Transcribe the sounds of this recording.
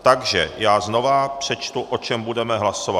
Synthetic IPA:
t̪aɡʒɛ̰jaːzno̞vapr̝̥ɛt͡ʃt̪uʔo̞t͡ʃɛmbudɛmɛɦlaso̞va

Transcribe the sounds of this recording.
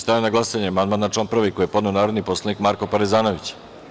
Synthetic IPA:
st̪ajenaɡlˠasaɲeamand̪maːnat͡ʂlaːnpr̩ʋikojepo̞d̪ne̞o̞naːɾod̪niposlˠanikmaɾko̞paɾezaːnoʋit͡ɕ

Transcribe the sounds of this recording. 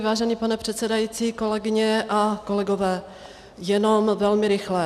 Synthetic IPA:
vaːʒɛniːpanɛpr̝̥ɛt̪sɛdajiːt͡siːko̞lɛɡɪɲɛʔako̞lɛɡovɛː | jɛno̞mvɛlmɪɾɪxlɛ

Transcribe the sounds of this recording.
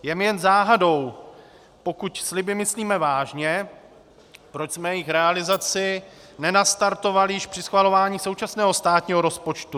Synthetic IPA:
jɛmjɛnzaːɦado̞w | po̞kucslɪbɪmɪsliːmɛvaːʒɲɛ | pɾo̞t͡ʃsmɛjɛjɪxɾɛalɪzat͡sɪnɛnast̪aɾt̪o̞valɪjɪʃpr̥ɪsxvalo̞vaːɲiːso̞wt͡ʃasnɛːɦo̞st̪aːt̪ɲiːɦo̞ɾo̞spo̞t͡ʃt̪u

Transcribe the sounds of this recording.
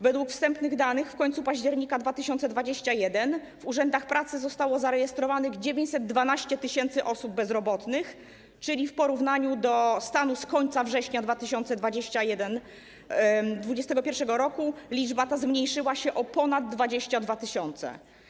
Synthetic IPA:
vɛd̪wukfst̪ɛmpnɘɣd̪anɘxfkɔɲt̪supaʑd͡ʑɛɾɲikad̪vat̪ɘɕɔnt̪sɛd̪vad͡ʑeɕt͡ɕajɛd̪ɛn | vuʐɛnd̪axpɾat̪sɘzɔst̪awɔzaɾɛjɛst̪ɾɔvanɘɣd͡ʑevʲjeɲt͡ɕʲsɛd̪̚ːvanaɕt͡ɕɛt̪ɘɕɛnt̪sɘʔɔsub̚ːɛzɾɔbɔt̪nɘx | t͡ʂɘlʲifpɔɾuvnaɲud̪ɔst̪anuskɔɲt̪savʐɛɕɲad̪vat̪ɘɕɔnt̪sɛd̪vad͡ʑeɕt͡ɕajɛd̪ɛn | d̪vud͡ʑɛst̪ɛɡɔpʲjɛɾfʂɛɡɔɾɔkulʲid͡ʐbat̪azmɲejʂɘwaɕɛʔɔpɔnad̪̚ːvad͡ʑeɕt͡ɕad̪vat̪ɘɕɔnt̪sɛ̰

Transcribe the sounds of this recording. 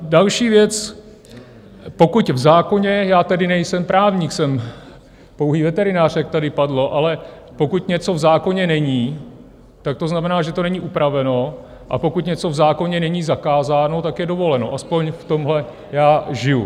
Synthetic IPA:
dalʃiːvjɛt͡s | po̞kucvzaːko̞ɲɛjaːt̪ɛdɪnɛjsɛmpɾʔaːvɲiːksɛm | po̞wɦiːvɛt̪ɛɾɪnaːr̥ɛk̚t̪adɪpadlo̞ʔalɛ | po̞kuc̪ɲɛt͡so̞vzaːko̞ɲɛnɛɲiː | t̪ak̚t̪o̞znamɛnaːʒɛt̪o̞nɛɲiʔupɾavɛno̞ | ʔa̰po̞kuc̪ɲɛt͡so̞vzaːko̞ɲɛnɛɲiːzakaːzaːno̞t̪akjɛdo̞vo̞lɛno̞̰ʔaspo̞ɲft̪o̞mɦlɛ | jaːʒɪjṵ

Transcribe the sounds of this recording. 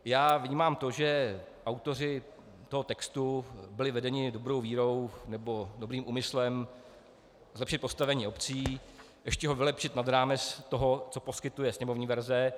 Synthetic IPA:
jaːvɲiːmaːmt̪oʒɛ | ʔawt̪o̞r̝ɪ | t̪o̞ɦo̞t̪ɛkst̪ubɪlɪvɛdɛɲɪdobɾo̞wviːɾo̞wnɛbo̞dobɾiːmʔuːmɪslɛm | zlɛpʃɪt̪̚po̞st̪avɛɲiːo̞pt͡siː | jʔɛʃcɛɦovɪlɛpʃɪt̪nad̪ɾaːmɛt͡st̪oɦo̞t͡so̞poskɪt̪ujɛsɲɛmo̞vɲiːvɛɾzɛ

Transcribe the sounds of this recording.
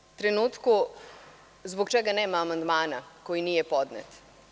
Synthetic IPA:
t̪ɾɛnuːt̪ku | zbɔkt͡ʃɛːɡanɛːmaːmand̪maːnakoːjiniːjɛpɔːd̪nɛ̰t̪

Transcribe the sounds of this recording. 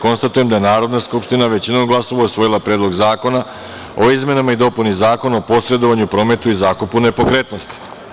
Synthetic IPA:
ko̞nst̪at̪ujemd̪aje̞naːɾo̞d̪naskupʃt̪inaʋe̞t͡ɕinomɡlˠaso̞ʋausʋo̞jilˠapɾed̪lˠo̞ɡzaːko̞na | o̞izme̞namaid̪o̞punizaːko̞naopo̞sɾe̞d̪o̞ʋaɲupɾo̞ːme̞t̪uizaːkupune̞po̞kɾe̞t̪no̞st̪i̥

